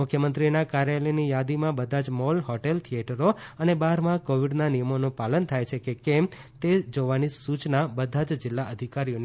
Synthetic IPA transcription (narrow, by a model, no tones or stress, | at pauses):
mʊkʰjəmənt̪ɾinakaɾjalenijad̪imãbəd̪ʱãd͡ʒmɔlɦɔʈelt̪ʰieʈəɾoənebaɾmãkoʋiɖnanijəmonũpalənt̪ʰajt͡ʃʰekekemt̪ed͡ʒoʋanisut͡ʃnabəd̪ʱad͡ʒd͡ʒɪlːaʔəd̪ʱikaɾijon